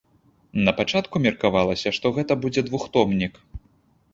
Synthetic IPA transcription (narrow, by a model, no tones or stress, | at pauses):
nɐpat͡ʂat̪kumʲɐrkavalˠɐsʲɐʂt̪ɔɣɛt̪ɐbud͡zʲɛd̪vuxt̪ɔmnʲik